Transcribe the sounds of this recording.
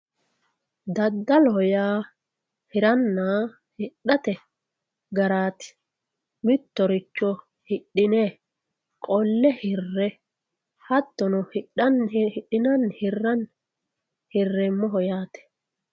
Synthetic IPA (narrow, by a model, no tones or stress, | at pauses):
d̪ɐd̪ːɐlɔɦɔjaː | hɪɾɐnːaː | hɪɗːɐt̪ɛ | ɡɐɾaːt̪ɪ̥ | mɪt̪ːɔɾɪt͡ʃːɔ | hɪɗːɪneː | kʼɔlːɛhɪrːɛ | hɐt̪ːɔnɔhɪɗɐnhɪɗɪnɐnhɪrːɐn | hɪrːɛmːɔɦɔjaːt̪ɛ̥